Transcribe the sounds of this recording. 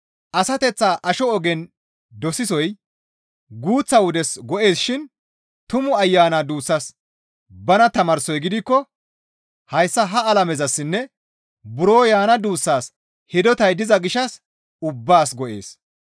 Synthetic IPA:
ʔɐsɐt̪ɛt͡sːaːʔɐʃɔɔɡɛn | d̪ɔsɪsɔj | ɡuːt͡sːɐwʊd̪ɛsɡɔʔe̞ːsʃɪn | t̪ʊmʊɐjːaːnad̪uːsːɐs | bɐnɐt̪ɐmɐɾsɔjɡɪd̪ɪkːɔ | hɐjsːɐɦɐɐlɐmɛzɐsːɪnːɛ | bʊɾoːjaːnɐd̪uːsːaːs | hɪd̪ɔt̪ɐjd̪ɪzɐɡɪʃɐs | ʊbːaːsɡɔʔe̞ːs

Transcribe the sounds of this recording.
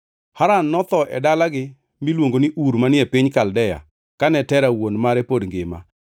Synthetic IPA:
haɾanːɔt̪ɔʔɛ̰dalaɡɪ | milwoŋɡonɪʔuɾmanɪɛpɪɲkaldɛja̰ | kanɛtɛɾawonmaɾɛpodŋɡɪma̰

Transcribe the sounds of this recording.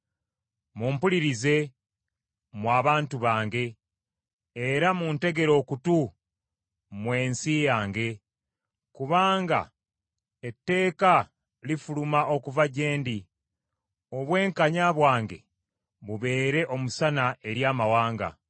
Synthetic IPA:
muːmpuliɾize̞ | mwaːβaːntuβaːŋɡe̞ | eɾamunte̞ɡe̞ɾo̞ːkutu | mweːnsijaːŋɡe̞ | kuβaːŋɡa̰ | etːe̞ːka | lifulumaʔo̞kuvaɟe̞ːndi | o̞βwe̞ːŋkaɲaβwaːŋɡe̞̰ | βuβe̞ːɾe̞ʔo̞musanaʔe̞ɾjaːmawaːŋɡa̰

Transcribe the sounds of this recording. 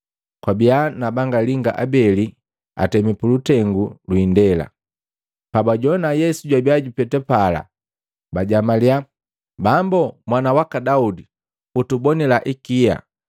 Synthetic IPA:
kwabianabaŋɡaliŋɡaʔabɛli | a̰tɛmipulutɛŋɡulwindɛla̰ | pabaɟɔnajɛsuɟwabiaɟupɛtɛpala̰ | baɟamalja | bambɔmwanawakadaudi | utubɔnilaʔikija̰

